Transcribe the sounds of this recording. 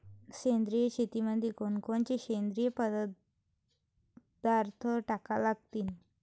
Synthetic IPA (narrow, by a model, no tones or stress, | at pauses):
ɕend̪ɾijət͡ɕʰet̪iməd̪ʱːjekoɳkoɳt͡ɕeɕend̪ɾijəpəd̪ə | d̪aɾt̪ʰəʈakalaɡ̚t̪iːn